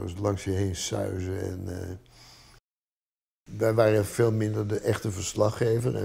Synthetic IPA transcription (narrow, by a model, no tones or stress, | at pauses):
ə̰slɑŋsjəɦejnsœ̰ɥzəɛ̰n | ʋɛjʋaːrəv̥eːlˠmɪndəɹdəʔɛχtəvəɹslɑχejvərɛ̰